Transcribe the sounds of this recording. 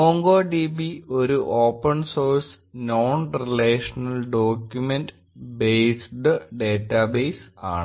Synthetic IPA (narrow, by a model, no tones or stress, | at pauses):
moːŋɡoːɖibio̞ɾuʔoːpːɐnsoːɾs | noːnrileːʂɐnɐlɖoːkʲjumenɖ | bejsɖɨɖeːtːabeːsa̰ːɳɨ